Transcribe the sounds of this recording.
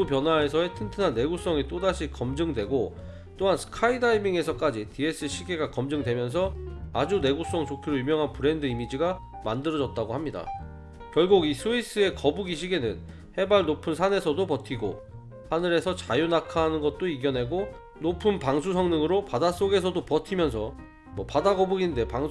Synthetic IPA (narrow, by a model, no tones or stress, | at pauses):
upjʌnɦwae̞sʰʌe̞tʰɯntʰɯnanːe̞ɡus͈ʌŋit͈odaɕʰikʌmd͡ʑɯŋdwe̞ɡo | t͈oɦansʰɯ̥kʰaidaimiŋe̞sʰʌk͈ad͡ʑitʰie̞s͈ʰɯɕʰiɡe̞ɡakʌmd͡ʑɯŋdwe̞mjʌns̬ʰʌad͡ʑune̞ɡus͈ʌŋt͡ɕokʰiɾoymjʌŋɦanpɯɾe̞ndɯimid͡ʑiɡa | mandɯɾʌd͡ʑʌt̚t͈aɡohamɲida̰ | kjʌɭɡuɡisʰuis͈ɯe̞kʌbuɡiɕʰiɡe̞nɯn | he̞baɭnopʰɯnsʰane̞sʰʌdopʌtʰiɡo̰ | hanɯɾe̞sʰʌt͡ɕajunakʰaɦnɯnɡʌt̚t͈oiɡjʌnɦe̞ɡo | nopʰɯnpaŋsʰusʰʌŋnɯŋɯɾopadas͈oɡe̞sʰʌdopʌtʰimjʌnsʰʌ | mwʌpadaɡʌbuɡinde̞paŋ